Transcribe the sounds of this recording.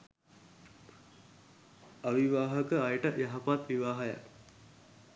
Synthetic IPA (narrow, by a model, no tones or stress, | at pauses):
aʋiʋaːɦəkəajʈəjaɦapat̪ʋiʋaːɦaja̰k